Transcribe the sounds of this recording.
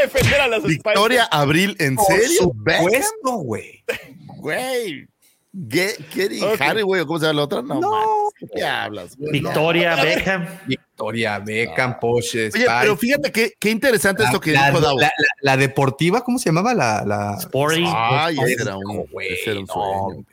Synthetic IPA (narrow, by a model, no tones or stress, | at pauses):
efend̪eɾalasebik̪̚oɾjaʔaβɾilenseɾjobeest̪oɣwejwej | kekeɾixariɣwejokomos̬eaβalaot̪ɾanonoakekea̰βla̰sbikt̪oɾjaβekambik̚t̪oɾjaβekampoʃeojeaeɾofixat̪ekekeint̪e̞ɾe̞sant̪est̪okeoðaβalalaðe̞po̞ɾt̪iβakomose̞ʝamaβala̰la̰spoɾtiajeeɾa̰uko̰weseɾauno